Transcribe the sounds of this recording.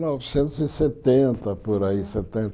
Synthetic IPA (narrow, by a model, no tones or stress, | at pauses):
nɔvɪsẽnt̪ʊzɪset̪ẽnt̪ɐpoɾaiset̪ẽnt̪